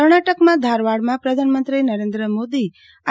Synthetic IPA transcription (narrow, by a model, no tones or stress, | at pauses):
əɾɳ̃aʈəkmãd̪ʱaɾʋaɽmãpɾəd̪ʱanəmə̃nt̪ɾinəɾẽnd̪ɾəmod̪i | a